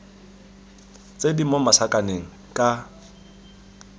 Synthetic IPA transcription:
t͡sʼedimomasakʼaneŋ̩kʼa

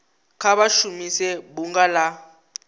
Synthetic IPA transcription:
kʰaɓaʃumisɛɓuŋɡala

